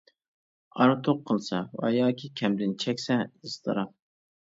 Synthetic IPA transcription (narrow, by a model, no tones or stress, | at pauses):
ɑɾɨt̪ʰoqʰːəlˠsɑvɑ̰jɑːkʲʰikʲʰɛmd̪ɪnt͡ʃʰɛkʲsɛɨst̪ʰɨɾɑm